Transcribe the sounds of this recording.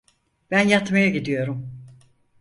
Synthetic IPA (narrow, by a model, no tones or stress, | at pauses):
b̥ænjat̪majaɟid̪ijo̞ɾum